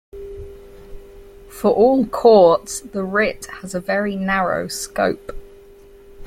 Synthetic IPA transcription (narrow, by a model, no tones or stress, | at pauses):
fəɹʔɔːlˠkʰɔˑtsðəɹɪthəzəvɛɹinaɹə̰ʊskəʊp